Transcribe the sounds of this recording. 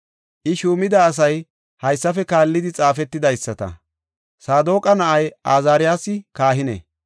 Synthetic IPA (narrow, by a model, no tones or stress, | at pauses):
ʔɪʃuːmɪd̪ɐːs̬ɐj | hɐjsːɐfɛkaːlːɪd̪ɪt͡sʼaːfɛt̪ːɪd̪ɐjsːɐt̪ɐ̰ | saːd̪o̞ːkʼɐnɐʔɐjaːzaːɾɪjaːsɪkaːɦɪnḛ